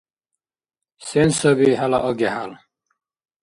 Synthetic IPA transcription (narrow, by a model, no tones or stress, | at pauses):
sɛnsəbiɦala̰ʔɔɡɛhal